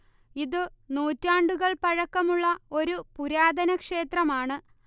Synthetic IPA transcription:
iðɨnuːtːaːɳɖuɣɐɭpɐɻɐkːɐmuɭːɐo̞ɾupuɾaːd̪ʱɐnɐkʂe̞ːt̪rɐmaːɳɨ

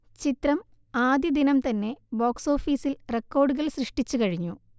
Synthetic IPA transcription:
t͡ɕit̪rɐm | aːd̪jɐd̪inɐmt̪ɐnːe̞boːkso̞ːfiːsilrekːo̞ːrɖɨɣɐɭsrɨʂʈit͡ɕːukɐɻiɲːu

